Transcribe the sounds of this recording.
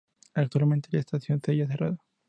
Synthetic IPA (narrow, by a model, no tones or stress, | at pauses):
ak̚t̪walment̪elaest̪aθjo̞nseaʝaθerʔa̰ða